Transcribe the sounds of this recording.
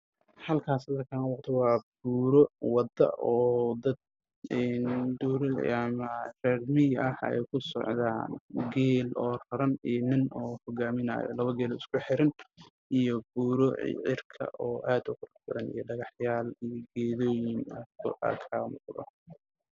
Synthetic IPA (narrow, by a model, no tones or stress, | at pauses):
hɐlkʰaːsɐðɐkʰaːnɐwɑqt̪ʰɐwɑːbuːɾɔwɑd̪ɐ̰ʔɔːd̪ɐd̪̚ | ɛnd̪uːɾɐmɐrɛrmɪɐhɛ̰jkʰʊsɔ̰ʕða̰ːnɡɛːlɔːrɐɾɐninɪnɔːhɔɣaːmɪna̰ːjɔ̰lɐβɐɡɛːlɔːɪskʰʊħɛɾɐn | ijɔbuːɾɔ̰ʕɪ̰rkʰɐ̰ʔɔːʔaːd̪ʊqʊrfɪɾɐnḭjɔɖɐɣɑħjaːlijɔɡɛːðɔːjɪnɐkʰʊ̰a̰kʰaːmʊ̰qðɐ̰